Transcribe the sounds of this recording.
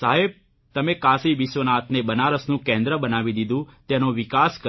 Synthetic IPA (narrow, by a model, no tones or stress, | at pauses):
saɦeb̚ | t̪əmekasiʋiʃʋənat̪nebənaɾəsnũkɛ̃nd̪ɾəbənaʋid̪id̪ũt̪enoʋikaskə